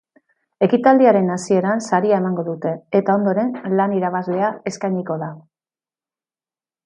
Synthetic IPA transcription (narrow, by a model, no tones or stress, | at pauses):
e̞kit̪ald̪iaɾe̞nasie̞ɾansaɾiae̞maŋɡo̞ðut̪e̞ːt̪ao̞nd̪o̞ɾe̞nlaniɾaβazle̞ae̞skajɲiko̞ða